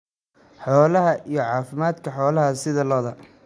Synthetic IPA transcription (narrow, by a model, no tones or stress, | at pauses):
ħɔːlɐɦɐʔijɞʕɑːfɪmaːd̪kʰɐħɔːlɐɦɐsɪðɐlɔːðɐ